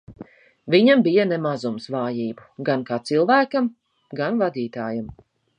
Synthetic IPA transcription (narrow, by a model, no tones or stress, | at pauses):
vʲiɲambijanɛmazumsvaːjiːbuɡankaːt̪silˠvæːkam | ɡanvad̪iːt̪aːjam